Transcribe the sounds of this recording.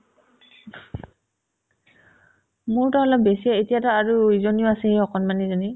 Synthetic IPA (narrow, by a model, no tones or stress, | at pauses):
mʊɹtɔɔlɔp̚besijɛetijatɔaɹuizɔniʊasɛiɔkɔnmanizɔni